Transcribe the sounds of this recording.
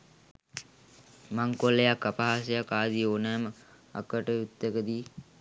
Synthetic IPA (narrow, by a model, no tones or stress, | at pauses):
maŋkolːejakːapaɦaːsəjakaːd̪ioːnæːmə | a̰kəʈəut̪ːəkəd̪iː